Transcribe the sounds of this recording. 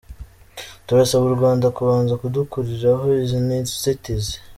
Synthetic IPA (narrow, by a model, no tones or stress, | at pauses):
tuɾasaβuɾɡwaːndakuβaːnzakudukuɾiɾaɦoizinatsitiz